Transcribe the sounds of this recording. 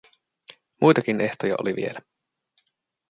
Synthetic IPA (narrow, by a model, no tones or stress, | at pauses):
mʔujt̪ɑkine̞ht̪ojɑ̰ʔoliʋḭe̞læ